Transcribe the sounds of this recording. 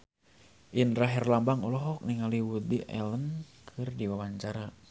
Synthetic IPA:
ʔinɾaɦɛrlambaŋulɔɦɔk̚niŋaliwud̪iʔɛ̰lənkʰɨrdiwawaɲt͡ʃaɾa

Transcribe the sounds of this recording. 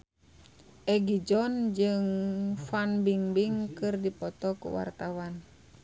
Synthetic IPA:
ʔɛɡid͡ʒɔnd͡ʒɨŋfanbiŋbiŋkɨrdipɔt̪ɔkṵwa̰rt̪awan

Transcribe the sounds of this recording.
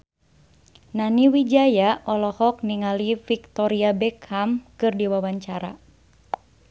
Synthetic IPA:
naniwid͡ʒajaʔɔlɔhɔk̚niŋalifik̚t̪ɔɾiabɛkhamkɨrdiwawaɲt͡ʃaɾa̰

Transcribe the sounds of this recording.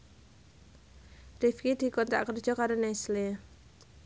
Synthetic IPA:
rifkid̪̥i̤kɔnt̪a̰ʔkər̥ʒ̥ɔkaɾonɛsle

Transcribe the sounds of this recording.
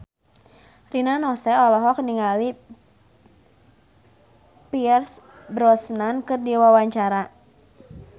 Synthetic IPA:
rinanɔsɛɔlɔɦɔkəniŋali | piɛrs | bɾɔsnankɨrdiwawaɲt͡ʃaɾa

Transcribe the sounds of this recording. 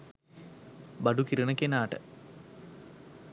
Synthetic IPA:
bɐɖukiɾiɳɐkʲːenaːʈɨ̰

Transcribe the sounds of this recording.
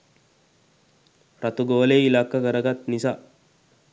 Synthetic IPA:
ɾɐt̪ʊɡoːleːɪlaːkːɐkɐɾɐɡɐt̪nɪsa

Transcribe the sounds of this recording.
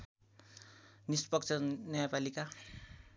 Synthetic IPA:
nispʌk̚t͡sʰʌnʌjapalika

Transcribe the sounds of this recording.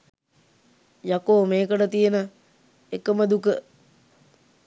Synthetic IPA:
jakoːmeːkəɖət̪ijənə | ekəməd̪ukə

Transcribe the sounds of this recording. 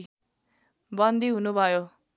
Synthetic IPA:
bʌnd̪iɦunubʱʌjo

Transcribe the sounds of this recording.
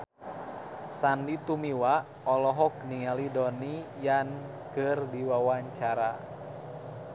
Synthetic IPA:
sandit̪umiwa | ɔlɔɦɔk̚niŋalidɔnijankɨrdiwawaɲt͡ʃaɾa

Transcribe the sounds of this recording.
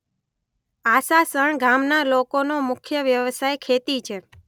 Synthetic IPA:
asasəɳɡamnalokonomʊkʰjəʋjəʋsajkʰet̪it͡ʃʰe

